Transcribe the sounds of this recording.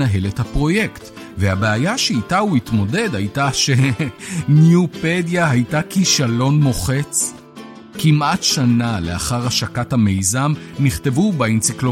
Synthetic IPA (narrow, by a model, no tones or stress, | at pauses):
aɦe̞lethapʁo̞jekt | vehabeajaʃeitauitmo̞de̞dhajtaʃe̞ | njupedjahajtakiʃalo̞nmo̞χe̞t͡s | kimʔatʃanale̞̰a̰χaʁhaʃakathame̞jzamniχte̞vubaint͡siklo